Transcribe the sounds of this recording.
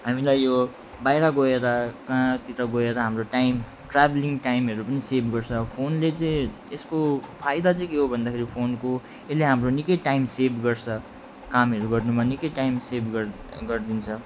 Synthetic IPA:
ɦamilajjo | bajɾʌɡoeɾʌkãt̪it̪ʌɡoeɾʌɦamroʈajm | ʈrabliŋʈajmɦʌɾupʌnisebʱɡʌrt͡sʰʌpʰonlet͡sʌĩ | eskopʰajd̪at͡sʌĩkeɦobʱʌnd̪akʰeɾipʰonko | eleɦamronikʌjʈajmsebʱɡʌrt͡sʰʌ | kamɦʌɾuɡʌrnumanikʌjʈajmsebʱɡ | ɡʌrd̪int͡sʰʌ

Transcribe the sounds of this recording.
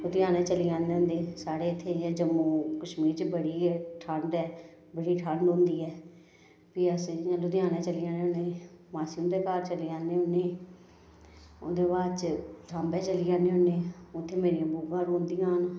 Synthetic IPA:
lʊd̪ɪjaːnẽːt͡ʃəliːãːneːʊ̃nd̪eːsaːɽeːɪt̪ʰːeːɛ̃ːd͡ʒəmːuːkəʃmiːɾt͡ʃbəɽiːʈʰəɳɖɛː | bəɽiːʈʰəɳɖɦõːnd̪iːɛː | piːəsjãːlʊd̪jãːnẽːt͡ʃəlijaːneːʊneːmaːsind̪eːkaːɾt͡ʃəliãːneːɦʊnːeː | ʊ̰nd̪eːbaːdt͡ʃʈʰaːmbɛːt͡ʃəlijãːneːɦʊneːʊt̪ʰːeːmeːɾijãːbuːɡãːɾõːnd̪iːãːn

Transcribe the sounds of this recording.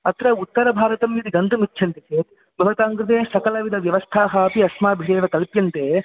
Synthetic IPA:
ɐt̪ɾɐut̪ːɐɾɐbʱaːɾɐt̪ɐmjid̪iɡɐnt̪ɐmitːt͡ʃʰɐnt̪iseːt̪ | bʱɐʋɐt̪aːŋkɾɪt̪̬eːsɐkɐlɐʋid̪ʱɐʋjɐʋɐst̪ʰaːɦaːpiɐsmaːbʱiɽeːʋɐkɐlpjɐnt̪eː

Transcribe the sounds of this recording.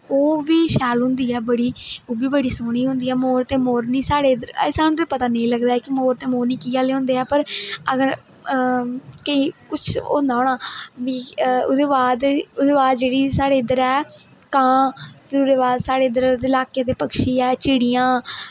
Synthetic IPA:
oːʋiːʃɛːlɦʊ̃nd̪iːɛːbəɽiːoːbiːbəɽiːsoːɳ̃iːɦʊ̃nd̪iːɛːmoːɾt̪eːmoːɾnĩːsaːɽeːd̪əɾəsaːnũt̪eːpət̪aːnəĩləɡd̪aːɛːkɪmoːɾt̪eːmoːɾniːkiːaːleːɦʊ̃ːnd̪eːɛːpəɾəɡəɾ | kəiːkʊt͡ʃʰo̰ːnd̪aːɦõːɳaːʋiːʊ̰d̪eːbaːd̪ʊd̪eːbaːd̪d͡ʒeːɽiːsaːɽeːɪd̪əɾɛːkãːpʰɪɾʊd̪eːbaːd̪saːɽeːɪd̪əɾd̪eːɪlaːkeːt̪eːpəkʃiːɛːt͡ʃiːɽijãː

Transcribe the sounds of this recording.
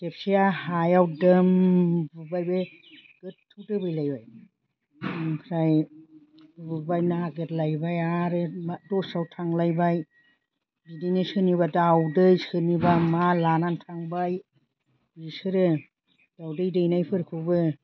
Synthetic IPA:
tep̚siahajawdɯmbbajbe | ɡ̥ɯttʰːɯwtɯbɯjlajbaj | kʰɾaj | ɯbajnaaɡetlajbajaɾɯmadɔsawtʰaŋlajbaj | bidijnajsɯniβadawdɯjsɯnibamalanantʰaŋbaj | bisɯɾɯ | d̥awdɯjdɯjnajpʰɯɾkʰɯbɯ

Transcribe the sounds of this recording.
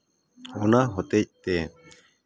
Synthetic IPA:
onaɦot̪ec̚t̪e

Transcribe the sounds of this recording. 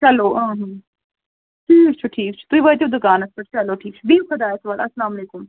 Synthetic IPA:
t͡ʃɐloːãːɦɐ̃ː | ʈʰiːk̚t͡ʃʰuʈʰiːkt͡ʃʰu̥t̪uiʋɐt̪ibd̪ʊkaːnɐspɐʈt͡ʃɐloːʈʰiːk̚t͡ʃʰubiːmxʰɐd̪aːɐsʋɐlɐslaːmɐleːkʊm

